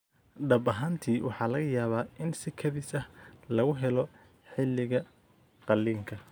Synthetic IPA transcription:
ɖɐbɐɦant̪ʰiːwʔɑħɑːlɐɣɐjaːβaːɪnsɪkʰɐðɪsɐhlɐɣʊɦɛlɔ | ħɪlːɪɣɐ | qɑlːiːŋkʰɐ

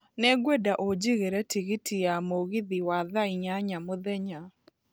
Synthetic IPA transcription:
nɛɡwedaʔod͡ʒiɣeɾɛtiɣitʰijamoɣiðiwaðaiɲaɲamoðɛɲa

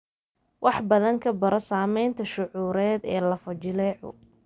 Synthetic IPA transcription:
wʔɑħbɐðɐŋkʰɐbɐɾɔsaːmɛjnt̪ʰɐʃʊʕuːɾɛːd̪ɛːlɐfɐt͡ʃɪlɛːʕʊ̰

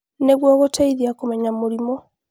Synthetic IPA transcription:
neɣwɔɣoteiðiakumeɲamuɾimɔ

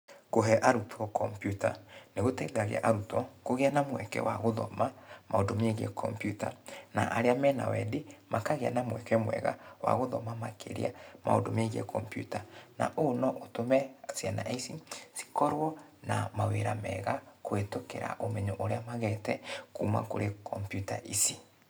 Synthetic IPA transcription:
koɦɛʔaɾutʰɔkɔmpjutaneɣotɛɡaɣḛɛ̰ʔaɾutɔkoɣeanamwɛkɛ̰waɣoðɔ̰mamaodomeɣiɛ̰kʰɔ̰mpjutana̰ʔaɾeamɛna̰wɛdemakaɣea̰namwɛkɛmwɛ̰ɣa̰wa̰ɣoðɔmamakʰḛɾḛamʔao̰domeɣiɛ̰kʰɔmpjṵtana̰ʔonɔʔotomɛasijanaʔeisisi̥kɔɾwɔna̰maweɾamɛɣakoetokeɾa̰ʔomɛɲoʔoɾeamaɣɛtɛkuma̰koɾekʰɔmpjutaʔisi

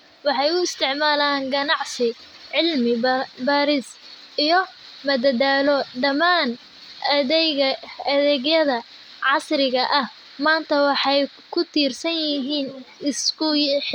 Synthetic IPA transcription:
wɑħɑjʊɪst̪ʰɪʕmaːlaːŋɡɐnɑʕsɪ | ʕɪlmɪbaːɾɪs | ʔijɔ | mɐd̪ɐdaːlɔɖɐmaːn | ʔɐðɛjɣɐɐðɛːɣjɐðɐ | ʕɑsɾɪɣɐʔɐh | maːnt̪ʰɐwɑħɑj | kʰʊt̪ʰiːrsɐnjɪɦiːnɪskʰʊjħ

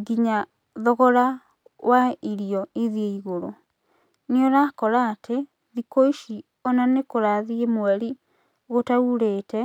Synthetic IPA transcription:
ɡiɲa | ðɔɣɔɾa | wʔaiɾijɔiðieiɣoɾo̰ | neoɾakɔɾaːtʰe | ðikoiʃi | ɔnanekoɾaðiemwɛɾi | ɣotauɾeːtɛ

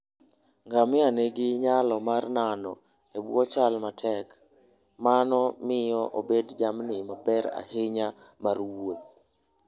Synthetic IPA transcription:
ŋɡamɪaneɡɪɲalɔmarnanɔ | ebwɔt͡ʃalmatʰɛk | manɔmɪjɔʔobedd͡ʒamnɪmapɛɾa̰heɲa | marwot̪̚

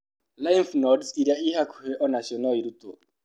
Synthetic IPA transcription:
lajn̩fnɔdsiɾaiɦakʰʊ̥ɦeʔɔnaʃɔnɔiɾuto̰

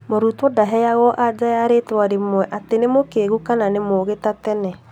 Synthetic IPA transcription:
moɾutwɔdaɦɛjaɣɔʔad͡ʒajaɾetwaɾemwɛʔatenemokeɣukananemoɣetatɛnɛ

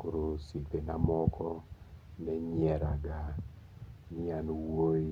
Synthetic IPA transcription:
koɾosit̪enamɔkɔnɛɲɛɾaɡa | nɪanwoi

